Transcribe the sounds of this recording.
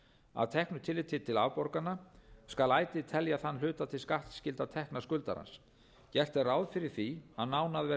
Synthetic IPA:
a̰ðt̪ʰɛhknʏt̪ʰɪlɪt̪ʰɪt̪ʰɪla̰vpɔɾkanːaskalaːjt̪ɪt̪ʰɛljaθanːlʏːt̪at̪ʰɪlskaht̪scɪlt̪at̪ʰɛhknaskʏlt̪a̰ɾha̰ns | cɛr̥t̪ɛraːwðfɪɾɪɾ̥θiaðnaːwnaðvɛ

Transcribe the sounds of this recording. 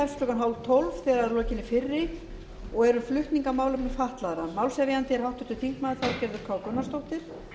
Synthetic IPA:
ɛfsp̪ɾœkanɦawlt̪ʰowlv̥θɛːɾaɾlɔːcɪnːɪfɪrːɪ | ɔɣɛɾʏflʏht̪niŋkamaːwlʏpnɛfaht̪laðɾamawlsjaviant̪ɪɛɾ̥hawht̪ʏɾ̥t̪ʰɪlθiŋkmaːðɪθaðcɛɾðʏɾ̥kʰvaːwkœnːast̪owht̪ɪɾ̥

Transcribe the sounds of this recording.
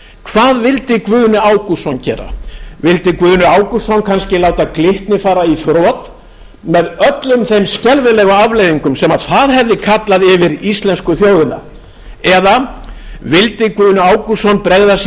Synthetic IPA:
kʰv̥aːðvɪlt̪ɪkvʏːðnʏaːwkusɔncɛ̰ːɾa̰vɪlt̪ɪkvʏːðnʏaːwkusɔnkʰanscɪlaːwt̪aklɪht̪nɪfaːɾaiθɾɔːt̪ | mɛðœt̪lʏmθejmscɛlvɪlɛːɣʏavlejðiŋkʏmsɛmaðθaðɦɛvðɪkʰat̪laðɪvɪɾist̪lɛnskʏθjoːwðɪna̰ | ɛða | vɪlt̪ɪkvʏðnʏaːwkusɔnpɾeɣðas

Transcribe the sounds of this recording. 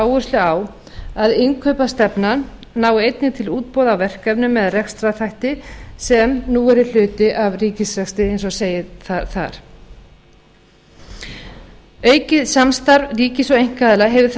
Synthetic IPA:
wvʏrst̪ʏaw | aðɪŋkʰœɥpast̪ɛpnanː | aːwejt̪nɪt̪ʰɪluːt̪̚pɔːðawvɛr̥kɛvnʏmːɛðarɛkst̪ɾaθʰajht̪ɪsɛmnuːɛɾɪl̥ʏːt̪ɪʔavriːcɪsrɛkst̪ɪejnsɔseːjɪθaθa̰ɾ̥ | œːɥcɪðsamst̪aɾvriːcɪsɔejŋ̥kaðɪlaɦɛvɪθ

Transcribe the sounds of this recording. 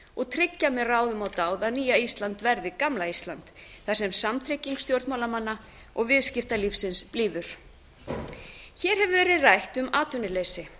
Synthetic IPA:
ɔɣt̪ʰɾɪcːamɛraːwðʏmawt̪aːwðaðniːjaist̪lant̪vɛɾðɪkamlaist̪lant̪θasɛmsamt̪ʰɾɪcːiŋkst̪jowɾt̪mawlamanːa | ʔɔɣvɪðscɪft̪alifsɪnspliːvʏɾ̥ | çɛːɾ̥hɛvʏvɛːɾɪðrajht̪ʏmaːt̪ʏnɪlejsɪ

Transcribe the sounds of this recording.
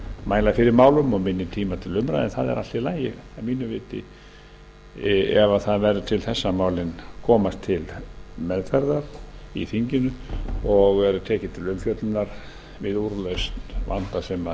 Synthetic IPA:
maːjlaðfɪɾɪɾmaːwlʏmɔɣmɪnːɪt̪ʰiːmat̪ʰɪlʏmɾaðɛ̰nθaðɛ̰ɾʔa̰t̪ɪlaːjɪamiːnʏvɪːt̪ɪ̰ | ɛvaθaðvɛɾðʏt̪ʰɪlθɛsːamaːwlɪnkʰɔːmast̪ʰːɪlmɛðfɛɾðaɾḭθiɲcɪnʏɔɣɛɾʏt̪ʰɛːcɪt̪ʰɪlʏmfjœt̪lnaɾ̥ | vɪðuɾlœɥst̪va̰nt̪asɛma

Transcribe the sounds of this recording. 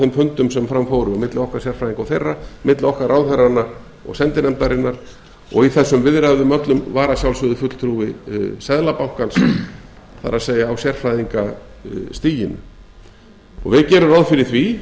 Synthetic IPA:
θɪmfʏnt̪ʏmsɛmfɾamːfowɾʏamɪt̪lɪɔhkḁsjɛr̥fɾajðiŋkawθejrːamɪt̪lɪɔhkaɾaːwθɛrːana | ɔ̰ɣsɛnt̪ɪnɛmt̪aɾɪnːaɾ | ɔ̰ɣiθɛsːʏmvɪðɾaðʏmœt̪lʏmvaːɾasjawlsvʏðʏfʏt̪l̥t̪ʰɾuːvɪsɛðlapawhkans | θa̰ɾaðseːjaːwsjɛr̥fɾajðiŋkast̪iːjɪnʏ̰ | ɔ̰ɣvɪðcɛːɾʏɾawðfɪɾɪθvi

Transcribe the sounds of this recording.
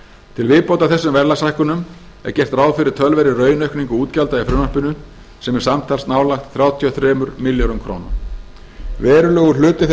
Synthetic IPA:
t̪ʰɪlvɪðpowt̪aθɛsːʏmvɛɾlasajhkʏnʏm | ɛ̰ɾ̥cɛr̥t̪raːwfɪɾɪɾ̥t̪ʰœlvɛɾɪrœːɥnœɥhkniŋkʏuːt̪calt̪aifɾʏmapɪnʏ | sɛmɛɾ̥samt̪ʰalsnaːwlaxt̪θɾjaːwt̪ʰiɔθɾɛːmʏɾmiljonʏmkʰɾo̰wna̰m | vɛːɾʏlœːɣʏlʏːt̪ɪθ

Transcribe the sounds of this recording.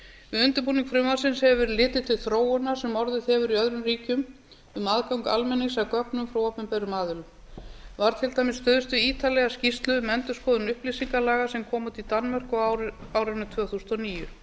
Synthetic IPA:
ɪʏnt̪ʏɾpuːniŋkfɾʏmasɪnshɛvvɛɾlɪːt̪ɪt̪ʰɪlθɾoːwʏnaɾ̥sɛmɔɾðʏθɛvʏɾiœðɾʏmriːcʏm | ʏmaːðkawŋka̰lmɛnːɪsakœknʏmfɾawɔːpʏmpɛjɾʏmaːðʏlʏm | vaɾ̥t̪ʰɪlt̪aːjmɪsːt̪œːðʏst̪ʏiːt̪alɛɣascist̪lʏmɛnt̪ʏskʰɔːðʏnʏhplisiŋkalaːɣasɛmkʰɔːmat̪ʰɪlt̪anmar̥kɔaːwɾɪnʏt̪ʰvœːθusnɔniːjʏ

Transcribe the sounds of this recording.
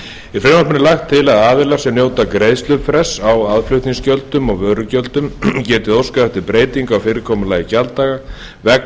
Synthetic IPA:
ifɾenamɪnɪlaxt̪ʰːɪlaðaːðɪlaɾ̥sɛmnjoːwt̪akɾejðst̪lʏpfɾɛsawaðflʏɥht̪niŋscœlt̪ʏmɔɣvœːɾʏcœlt̪ʏmcɛːt̪ɪðowskaɛft̪ɪɾpɾeːjt̪iŋkawfɪːɾɪɾkʰɔːmʏlaːjɪcalt̪aːɣa | vɛk

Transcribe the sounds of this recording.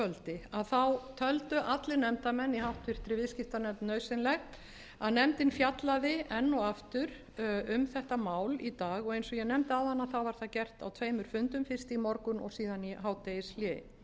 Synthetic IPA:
œlt̪ɪaðθawt̪ʰœlt̪ʏʔat̪lɪnɛmt̪amɛnːihawht̪vɪr̥t̪ɾɪvɪðscɪft̪anɛmt̪nœɥsɪnlɛxt̪ | aðnɛmt̪ɪnfjat̪laðɪɛnːɔaft̪ʏɾ | ʏmθɛht̪amaːwlit̪aːɣɔɣejnsɔɣjɛnɛmt̪aðanːaθawvaɾ̥θaðcɛr̥t̪a̰wt̪ʰveːjmʏɾ̥fʏnt̪ʏmfɪr̥st̪imɔɾkʏnɔ̰ɣsiːðaniɦawt̪ejɪsljɛ

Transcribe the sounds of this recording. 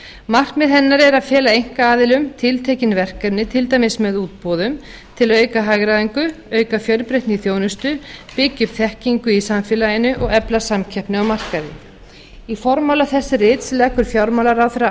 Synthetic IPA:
mar̥kmɛðɦɛnːaɾɛɾaðfjɛːlaejŋ̥kaaːðɪlʏmt̪ʰɪlt̪ʰeːjcɪnvɛr̥kaɾnːɪt̪ʰɪlt̪ajmɪsmɛðuːt̪̚pɔðʏm | t̪ʰɪlœːɥkaɦaːɣɾaðiŋkʏœːɥkafjœlpɾejht̪nɪiθjoːwnʏst̪ʏpɪcːʏpθɛhciŋkʏisamfɪlajɪnʏʔɔɣɛplasamcʰɛhpnʏawmar̥kaðɪ | ifɔɾmawlaθɛsːɪrɪt̪slɛːkʏɾ̥fjawɾmawlaɾawθɛɾa

